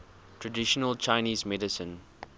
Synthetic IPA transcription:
tʰɹədɪʃənəlt͡ʃãɪniːzmɛdɪsə̃n

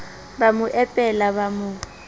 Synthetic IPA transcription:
bamʊʔɛpʼɛlaβamʊ

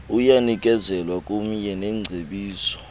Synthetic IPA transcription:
ujanikʼɛzɛlwakʼum̩jɛnɛŋ͡ǀʱeɓiːsɔ̥

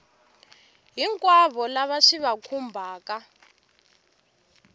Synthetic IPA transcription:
ɦiŋkʼwaβɔlaβaʂiβakʰumbʱaːka

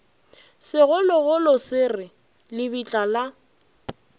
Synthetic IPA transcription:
sɪɣʊlɔɣʊlɔsɪrɪ | lɪbit͡ɬʼala

